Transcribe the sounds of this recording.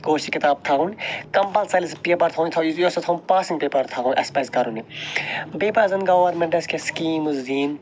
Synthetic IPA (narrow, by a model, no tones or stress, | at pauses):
ɡoːʃikit̪aːb̚t̪ʰaːɦunkɐmpɐlsɐlis̬peːpɐɾt̪ʰaunt̪ʰɐjjosɐt̪ʰɐunpaːsiŋɡpeːpɐɾt̪ʰaːunʔɐspɐskɐɾuni | beːpazɐnɡɐʋɐɾmẽɳʈɐskeskiːmuzd̪iːn